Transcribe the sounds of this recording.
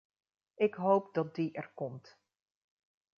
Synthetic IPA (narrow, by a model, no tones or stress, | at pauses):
ɪkɦowpdɑt̚diʔɛɹkɔmt